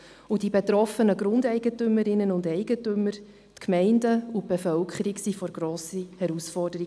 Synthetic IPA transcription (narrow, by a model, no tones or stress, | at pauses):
udibetɾɔfənəɡɾʊndɛɪɡətʏməɾɪnənʊndɛɪɡ̥ətʏmːəɾ | tkmɛɪndəub̥efœlkχəɾiksifɔɾɡɾoːsihɛɾusfɔrdəɾi